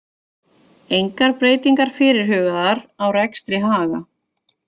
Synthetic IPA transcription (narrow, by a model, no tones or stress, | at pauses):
ejŋkaɾpɾeːjt̪iŋkaɾ̥fɪːɾɪɾ̥hœːɣaðaɾawrɛkst̪ɾɪɦaːɣa